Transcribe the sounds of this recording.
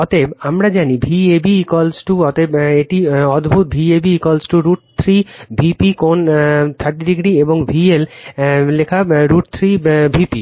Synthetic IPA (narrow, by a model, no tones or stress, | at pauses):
ɔt̪ebamɾad͡ʑanibʱiebikɔlsʈuɔt̪ebeʈiɔd̪bʱut̪̚bʱiebikɔlsʈuɾuʈ̚t̪ʰɾibʱipikont̪ʰaɾʈːiɖiɡɾieboŋbʱiellekʰaɾuʈ̚t̪ʰɾibʱipi